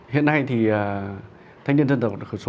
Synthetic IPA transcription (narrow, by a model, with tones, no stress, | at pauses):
hḭ˧˨ənːa˧jt̪ʰi˨˩aː˨˩ | t̪ʰa˧˦ŋɲi˧nzə˧nt̪ə˨˩xə˧˩so˧˦